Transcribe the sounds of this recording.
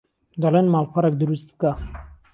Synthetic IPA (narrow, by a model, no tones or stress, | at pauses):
d̪alenmaːlxʷaɾɛk̚d̪ɨɾust̪̚bɨka